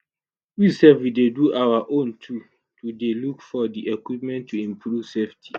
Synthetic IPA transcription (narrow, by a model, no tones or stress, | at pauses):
wisɛfwideduʔawaʔõntʰu | tudelukfɔdiʔekwipmɛ̃ntʰːuĩmpʰɾuv̥seftʰi̥